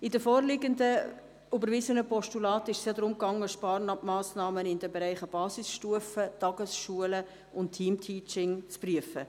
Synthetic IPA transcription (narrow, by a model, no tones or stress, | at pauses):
ɪdəfɔːɾlɪɡəndə | ybəɾvɪsənəpʰɔʃtulɑːtɪʃsjɑd̪ɾʊmkɑŋːəʃpɑːɾnɑmɑːsnɑːmənɪndɛbeɾæɪχəb̥ɑːsɪsʃtuəfətɑɡ̥əsʃuələ | ʊnttʰːiːmtʰiːt͡ʃɪŋt͡spryəfə